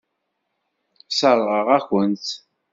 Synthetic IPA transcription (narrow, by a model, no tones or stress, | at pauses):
səɾˤʁəʁæçənt̪